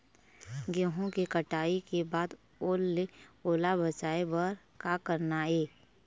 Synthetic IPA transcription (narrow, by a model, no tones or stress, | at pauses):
ɡeɦõkekəʈaːikebaːd̪ | oːlːeoːlabət͡ʃaːebəɾ | kakəɾnaeː